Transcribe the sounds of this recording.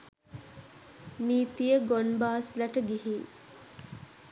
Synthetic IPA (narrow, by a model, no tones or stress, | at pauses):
niːt̪ijəɡonbaːslaʈəɡiɦiː